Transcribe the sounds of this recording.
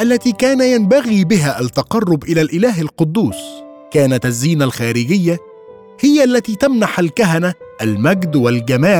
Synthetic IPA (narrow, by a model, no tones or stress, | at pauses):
ʔalːat̪iːkaːnajanbaɣiːbɪɦaːʔat̪ːɑqɑrˤːʊbʔɪlaːlʔɪlaːɦalqʊd̪ːuːs | kaːnat̪ʔazːiːnalxaːɾɪɡɪjːa | hɪjaʔalːat̪iːt̪amnaħalkaɦanaʔːlmaɡd̪walɡamaː